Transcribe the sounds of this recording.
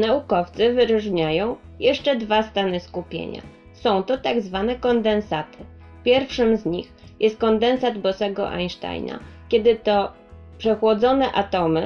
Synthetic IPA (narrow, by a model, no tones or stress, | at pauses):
naukɔft̪sɘvɘɾuʐɲajɔ̃w̃ | jɛʂt͡ʂɛd̪vast̪anɘskupʲjḛɲa̰ | sɔ̃w̃t̪ɔt̪aɡzvanɛkɔnd̪ɛnsat̪ɘ̥ | pʲjɛɾfʂɘmzɲix | jʔɛst̪̚kɔnd̪ɛnsad̪bɔsɛɡɔ̰ʔa̰jnʂt̪a̰jna̰kʲɛd̪ɘt̪ɔ | pʂɛxwɔd̪zɔnɛʔat̪ɔmɘ